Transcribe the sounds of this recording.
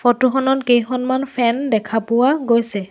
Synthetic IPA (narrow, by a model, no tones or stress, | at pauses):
fʰɔtuxɔnɔtkejxɔnmanpʰɛndɛkʰapʊwaɡojsɛ